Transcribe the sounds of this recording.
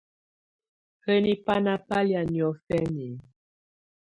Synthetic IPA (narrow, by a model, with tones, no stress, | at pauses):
hə˦ni˦pa˦na˨pa˦lja˨njɔ˨˦fɛ˦ni˨